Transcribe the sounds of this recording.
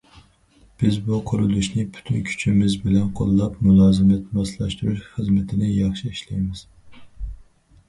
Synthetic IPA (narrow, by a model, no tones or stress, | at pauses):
b̥ɪzbuqʰʊɾulˠuʃnɪpʰy̥t̪ʰynkʲʰy̥t͡ʃʰimɪzbɪlɛnqʰo̰lˠːɑpmulˠɑːzɨmɛt̪mɑslˠɑʃt̪uɾuʃχəzmɪt̪ʰɪnɪjɑχʃiiʃlijmɪz̥